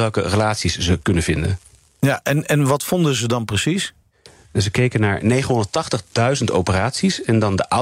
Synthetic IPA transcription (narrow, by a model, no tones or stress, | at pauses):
ɛlˠkə̰rəlaːtsiszəkɵnənv̥ɪndə̰n | jaʔɛnɛnʋɑtfɔndəzədɑnprəsis | zəkejkənaːɹnejχənɦʊndətɑχtəχdœɥzənto̰wpəraːtsisɛndɑndəʔa